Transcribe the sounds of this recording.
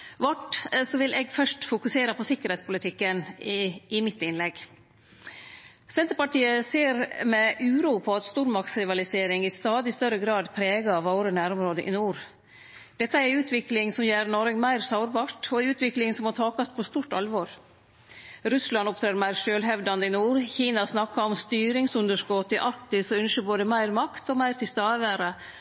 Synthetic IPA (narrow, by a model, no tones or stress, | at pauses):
ʋɑʈsɔʋɪlʔɛɡfœʂʈfʊkʉseːɾəpɔsɪkːəɾhɛːt̪spʰʊlɪt̪ʰɪkːən | ɪmɪt̪ːɪnlɛɡ | sɛnt̪əɾpɑʈiːəseːɾmɛʔʉːɾuːpʰɔɑt̪st̪uːɾmɑk̚t̪sɾɪʋɑlɪseːɾɪŋɪst̪ɑːd̪ɪst̪œɾəɡɾɑːd̪pʰɾeːɡɑɑʋɑʊɾənæːɾɔmɾoːd̪əʔɪ̰nuːɾ | d̪̥ɛt̪ːəæɾʉːt̪ʰʋɪklɪŋsɔmjæːɾɳɔɾɡmæɪɾsɑʊɾbɑːʈɔʉːt̪ʋɪklɪŋsɔmɑt̪ʰɑːkɑft̪̚pʰɔst̪uːʈɑlʋɔːɾ | ɾʉslɑnɔp̚t̪ʰɾeːɾmæɪɾʃøːlɦɛʋd̪ɑnd̪əɪnuːɾçiːnɑsnɑkːɑɔmst̪yːɾɪŋsʉnd̪əʂkɔt̪ːɪʔɑɾkt̪ɪsɔʉnʃəboːd̪əmæɪɾmɑkt̪ɔmæɪɾt̪ɪlst̪ɑːəʋæːɾə